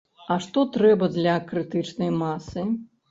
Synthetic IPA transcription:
ɐʂt̪ɔt̪ɾɛbɐd̪lʲɐkɾɨt̪ɨt͡ʂnɐjmasɨ

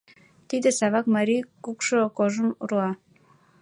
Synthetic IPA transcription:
t̪id̪ə̆sɑβɑkmɑɾikukʃŏkoʒəmurɑ

